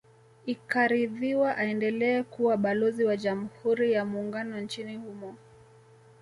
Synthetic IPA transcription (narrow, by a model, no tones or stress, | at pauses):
ikaɾiðiwaʔaɛndɛlɛɛkuwaɓalɔziwaʄam̩huɾijamuːŋɡanɔnt͡ʃinihumɔ